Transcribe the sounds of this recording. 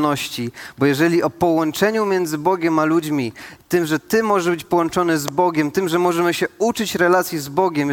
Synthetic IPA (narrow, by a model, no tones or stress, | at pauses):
nɔɕt͡ɕibɔjɛʐɛlʲiɔpɔwɔnt͡ʂɛɲumʲjɛnd̪zɘbɔɡʲɛmalud͡ʑmʲit̪ɘmʐɛt̪ɘmːɔʐɛbɘt͡ɕpɔwɔnt͡ʂɔnɛzbɔɡʲɛmt̪ɘmʐɛmɔʐɛmɘɕɛut͡ʂɘt͡ɕɾɛlat̪sʲjizbɔɡʲɛm